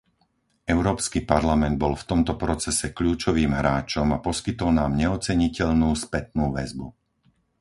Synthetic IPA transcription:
ɛʊɾɔːpskipaɾlamɛnd̪̚bɔlft̪ɔmt̪ɔpɾɔt͡sɛsɛkʎuːt͡ʃɔʋiːmɦɾaːt͡ʃɔmapɔskit̪ɔlnaːmɲɛɔt͡sɛɲicɛʎnuːspɛt̪̚nuːʋɛzbu

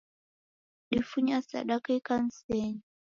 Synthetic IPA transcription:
ɗifuɲasa̰ɗakikan̩sɛɲi

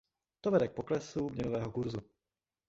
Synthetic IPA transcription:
t̪ovɛdɛk̚poklɛsumɲɛnovɛːɦokuɾzu

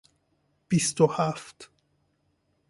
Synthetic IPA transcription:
b̥ist̪ohæft̪

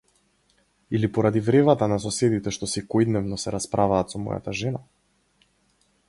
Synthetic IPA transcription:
ilipɔɾad̪ivɾɛvat̪anasɔsɛd̪it̪ɛʃt̪ɔsɛkɔjd̪nɛvnɔsɛɾaspɾʔavaːt̪sɔmɔ̰ja̰t̪aʒɛna

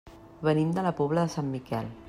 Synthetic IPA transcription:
βənimd̪ələpɔβləðəsamːikɛ̰l

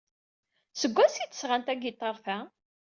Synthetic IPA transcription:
səɡʷːæsit̪ːə̥sʁant̪æɡit̪ˤːɑɾˤθæ

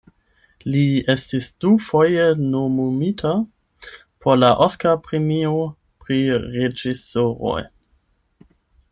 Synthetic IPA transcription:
liestisd̥ufojenomomitʰa | pʰoɾlaʔoskapɾemio | pɾiʁed͡ʒisoɾo̰j

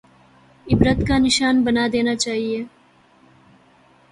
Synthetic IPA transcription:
ɪbɾət̪kanɪʃaːnbɐnad̪eːnat͡ʃaːɦieː

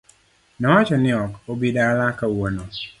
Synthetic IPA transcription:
nawat͡ʃɔnɪɔkobidalakawono

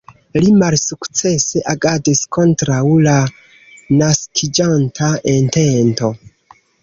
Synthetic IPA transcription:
limalsukt͡se̞se̞ʔaɡadisko̞ntɾawla | naskʰid͡ʒantʰaʔente̞nto̞

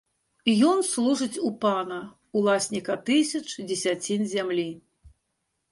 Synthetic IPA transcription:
jɔnslˠuʐɨt͡sʲupanɐ | ulˠasʲnʲikɐt̪ɨsʲɐt͡ʂd͡zʲɛsʲat͡sʲinzʲamlʲi

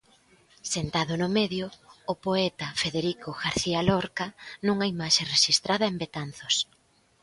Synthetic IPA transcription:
sent̪aðʊnʊmɛðjʊːpoɛt̪ɐfeðeɾikoɣaɾθialɔɾkɐnũŋaimaʃereʃist̪ɾʔaðɐembet̪anθos

